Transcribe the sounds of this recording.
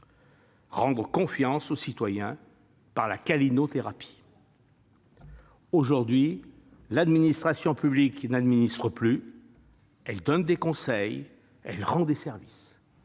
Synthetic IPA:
ʁɑ̃d̪ʁəkɔ̃fjɑ̃sosit̪wajɛ̃ | paʁlakalinot̪eʁapʰi̥ | oʒuʁd̪ɥi | lad̪minist̪χasjɔ̃pybliknad̪minist̪χəply | ɛld̪ɔnd̪ekɔ̃sɛj | ɛlʁɑ̃d̪esɛʁvis

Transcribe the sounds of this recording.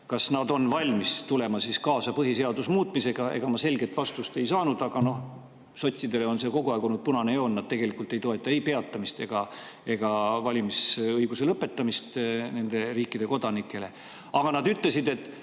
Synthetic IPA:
kɑsnɑd̪o̞nvɑlʲmist̪ule̞mɑsiskɑːsɑpɤɦise̞ɑd̪usmuːt̪ˑmise̞ɡ̥ɑe̞̰ɡ̥ɑmɑse̞lɡe̞t̪vɑst̪ust̪e̞jsɑːnud̪̥ɑɡ̥ɑno̞h | so̞t̪ʲsid̪e̞leo̞nse̞ːko̞ɡ̥uɑeɡonud̪̥̚punɑnejo̞ːnːɑdt̪̚t̪e̞ɡ̥e̞likˑult̪ːˑe̞jt̪o̞e̞t̪ːˑɑejpe̞ɑt̪ːˑɑmist̪e̞ɡ̥ɑ | e̞ɡ̥ɑvɑlʲimisɤjɡ̥use̞lɤpːe̞t̪ːˑɑmist̪ne̞nd̪̥e̞riːkːˑid̪e̞ko̞d̪̥ɑnikˑːe̞le̞ | ɑɡ̥ɑnɑd̪yt̪le̞sid̪e̞t̪ːˑ

